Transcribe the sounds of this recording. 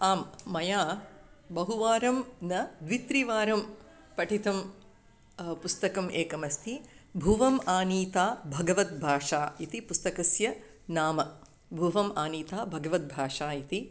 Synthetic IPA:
aːmːɐjaːbɐɦuʋaːɾɐmnɐd̪ʋit̪ɾiʋaːɾɐm | pɐʈʰit̪ɐm | pust̪ɐkɐmeːkɐmɐst̪ʰibʱuʋɐmaːniːt̪aːbʱɐɡɐʋɐt̪̚bʱaːʂaːit̪ipust̪ɐkɐsjɐ | naːmɐ | bʱuːʋɐmaːniːt̪aːbʱɐɡɐʋɐt̪̚bʱaːʂaːit̪i

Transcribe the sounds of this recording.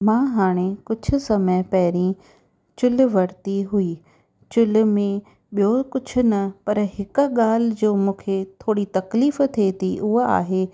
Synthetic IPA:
mãːɦaːɽ̃ekʊd͡ʑʱʊ̆sɐməpɐɦɪɾĩ | t͡ɕʊlʊ̆ʋɐɾt̪iɦʊiː | t͡ɕʊlʊ̆mẽ | ɓijokʊd͡ʑʱʰʊ̆nɐpɐɾɦɪkʊɠaːl̤ɪd͡ʑoːmũːkʰet̪ʰoːɽit̪ɐkliːft̪ʰet̪ʰiʔʊɦa̰ːɦeː

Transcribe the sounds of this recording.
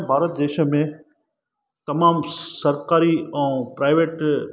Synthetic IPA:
bʱaːɾət̪̚d̪eːʃə̆mẽ | t̪ɐmaːmsɐɾkaːɾiɛ̃ːpɾaːɪʋeːʈ

